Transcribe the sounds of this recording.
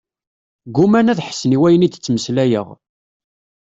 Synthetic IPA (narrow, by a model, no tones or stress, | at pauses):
ɡumænæðħə̥sːəniwæjənit͡sːməslæjə̰ʁ